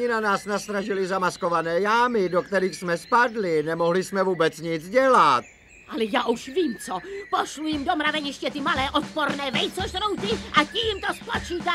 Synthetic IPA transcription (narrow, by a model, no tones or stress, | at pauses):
ɲɪnanaːsnast̪ɾaʒɪlɪzamasko̞vanɛːjaːmɪdokt̪ɛɾiːxsmɛspadlɪnɛmoɦlɪsmɛvuːbɛt͡sɲɪt͡sɟɛlat̪ | ʔalɛjaːʔuʃviːmt͡sopoʃlujɪmdomɾavɛɲɪʃcɛt̪ɪmalɛːʔot̪̚poɾnɛːvɛjt͡soʃt̪nowt̪ɪʔaciːmt̪ospot͡ʃiːt̪a